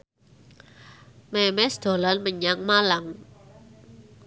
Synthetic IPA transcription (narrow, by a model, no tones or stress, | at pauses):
mɛmɛsd̪̥o̤lanməɲaŋmalaŋ